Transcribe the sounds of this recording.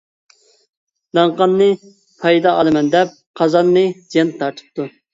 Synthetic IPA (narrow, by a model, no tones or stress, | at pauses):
d̪ɑɴqɑnːɨ | pʰɑjd̪ɑːlˠɨmɛnd̪ɛp̚qʰɑzɑnːɨd͡ʒjɛnt̪t̪ʰːɑɾt̪ʰɨ̥p̚t̪ʰu